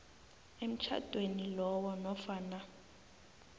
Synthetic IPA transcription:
em̩t͡ʃʰa̰d̥ʱʼwenilɔwɔnɔfaːna

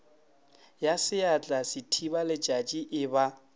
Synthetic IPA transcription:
jasɪat͡ɬʼasɪtʰibalɪt͡ʃʼat͡ʃʼiʔɪβa

